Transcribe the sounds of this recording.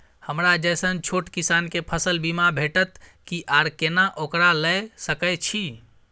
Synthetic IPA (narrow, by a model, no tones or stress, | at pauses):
həmɾad͡ʒəjsənt͡ʃʰoʈkisankepʰəsəlbimabʱeʈət̪kiʔaɾkenaʔokɾaləjsəkəjt͡ʃʰi